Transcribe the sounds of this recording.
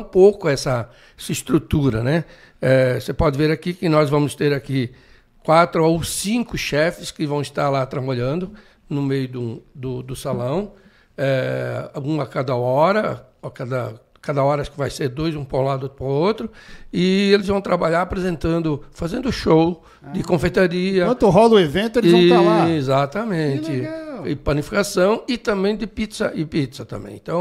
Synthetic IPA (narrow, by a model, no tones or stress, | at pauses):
ũpowkʊɛsɐ | ɛsɐɪst̪ɾut̪uɾɐnɛ | ɛsepɔd̪ɪveɾakikɪnɔzvɐ̃mʊst̪eɾaki | kwat̪ɾʊowsĩŋkʊʃɛfɪskɪvɐ̃w̃ɪst̪aɾlat̪ɾabaʎɐ̃nd̪ʊ | nʊmejʊd̪ũd̪ʊd̪ʊsalɐ̃w̃ | ɛ | ũakad̪ɐɔɾɐakad̪ɐ | kad̪ɐɔɾɐaʃkɪvajseɾd̪ojzũpɾãlad̪ʊot̪ɾʊpɾaot̪ɾʊɪelɪzvɐ̃w̃t̪ɾabaʎaɾapɾezẽnt̪ɐ̃nd̪ʊfazẽnd̪ʊʃow | d̪ɪkõfejt̪aɾiɐɐ̃ɦɔlɐʊevẽnt̪ʊelzvɐ̃t̪alazat̪ɐmẽt̪ɪɪpɐnifi̥kasɐ̃w̃ɪt̪ɐ̃mbẽj̃d̪ɪpit̪sɐ̰ʔɪpit̪sɐt̪ɐ̰̃mbḛ̃j̃ḛ̃t̪ɐ̃w̃